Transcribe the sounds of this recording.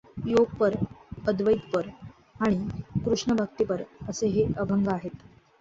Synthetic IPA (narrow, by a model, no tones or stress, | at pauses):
joɡ̚pəɾəd̪ʋəid̪pəɾ | aɽ̃ikɾuʂɳəbʱək̚t̪ipəɾəseɦeəbʱəŋɡaaɦet̪